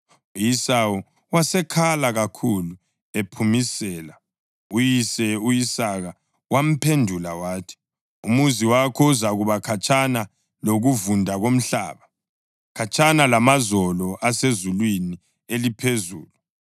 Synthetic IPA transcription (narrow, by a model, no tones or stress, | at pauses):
ujisawu | wasɛkʰalaɣakʰulu | epʰumisɛːla | ujisɛujisaɣa | wam̩pʰendʱulawaːtʰi̥ | umuziwakʰɔuzaɣuβakʰat͡ʃʰʼana | loɣuvundʱaɣom̩ɬa̰ːβa | kʰat͡ʃʼʰanalamazɔlɔʔasezulwini | elipʰezṵːlu